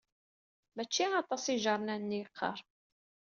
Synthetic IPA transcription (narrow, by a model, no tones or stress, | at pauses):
mæt͡ʃːiɑt̪ˤɑsiʒɑɾˤnænːiqʰːɑ̰ɾˤ